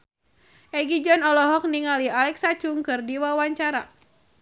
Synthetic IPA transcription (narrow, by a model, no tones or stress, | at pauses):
ʔɛɡid͡ʒɔnɔlɔɦɔk̚niŋalialɛksat͡ʃuŋkɨrdiwawaɲt͡ʃaɾa